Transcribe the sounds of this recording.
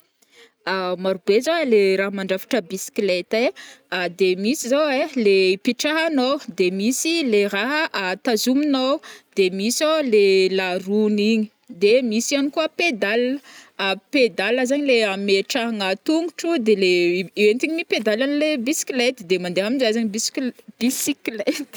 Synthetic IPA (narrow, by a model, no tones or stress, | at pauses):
amaɾubezoweleɾaɦmaɳɖ͡ʐafi̥ʈ͡ʂəbisi̥klet̪ead̪emisizaweleipiʈ͡ʂaɦanowd̪emisileraɦəʔat̪azuminowd̪emisolelaruniɲi̥ | d̪emisianikuəped̪aləped̪aləzaɲileameʈ͡ʂaɦaŋat̪uŋɡuʈ͡ʂud̪eleent̪iɲiniped̪alanilebisi̥kilet̪d̪emand̪eɦamizazaɲibisklb̥isiklet̪